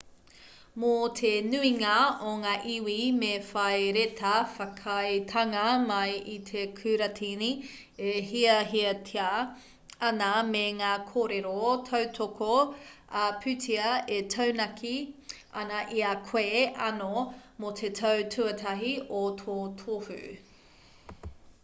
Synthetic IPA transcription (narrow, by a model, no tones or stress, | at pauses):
motʰenʉiŋɐoŋaːʔiwimefɐjɾetʰɐfɐkʰɐjtʰɐŋɐmɐjit̪ʰekʰʉːɾɐtʰini | eɦiɐɦiɐtʰia | ɐnɐmeŋaːkʰoːɾeɾotʰɐwtʰokoɐpʰʉtʰiɐetʰɐwnɐkʰi | ɐ̰nɐʔiakʰweɐnomotʰetʰɐwtʰʉɐtʰɐɦiotʰoːtʰofʉ̰